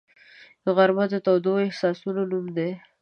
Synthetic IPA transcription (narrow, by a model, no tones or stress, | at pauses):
əɣaɾmad̪ət̪awd̪oɪhsɑsunonumd̪e